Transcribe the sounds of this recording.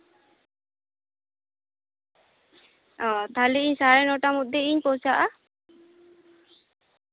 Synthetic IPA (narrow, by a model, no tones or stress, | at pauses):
ɔ̃t̪ʰaliiɲsaɾɛnɔʈamut̪̚d̪eiɲpɔwt͡ʃaʔa